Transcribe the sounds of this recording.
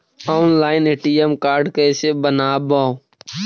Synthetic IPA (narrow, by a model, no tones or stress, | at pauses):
ɔːnlaːɪneːʈiemkaːɾɖkɛːsebənaːbaːo